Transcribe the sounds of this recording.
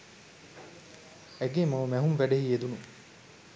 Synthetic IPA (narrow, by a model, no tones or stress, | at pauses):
æɡemɐmæɦumʋæɖeɦied̪unu